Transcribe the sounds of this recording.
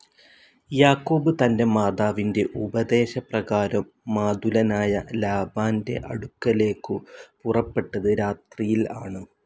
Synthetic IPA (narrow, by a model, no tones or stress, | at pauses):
jaːkːo̞ːbɨt̪ɐnde̞maːd̪aːʋinde̞ʔubɐd̪e̞ːɕɐprɐɣaːɾɐmːaːd̪ulɐnaːjɐlaːbaːnde̞̰ʔɐ̰ɽukːɐle̞ːkːɨpurɐpːe̞ʈːɐðɨɾaːt̪rijilaːɳɨ